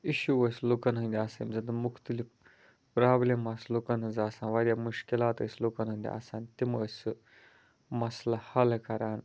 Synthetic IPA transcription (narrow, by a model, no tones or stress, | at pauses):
iʃuʋəslokɐnɦə̃nd̪ʲiasɐ̰mzɐnt̪d̪umukʰt̪ɨlip | pɾaːblemaːslokɐnɦənd͡zaːsãːnʋad̪ʲjamuʂkilaːt̪ə̰sʲloːkɐnɦənʲd̪ʲḭa̰saːnt̪iməəsʲɨ | mɐslɐhɐlkɐɾaːn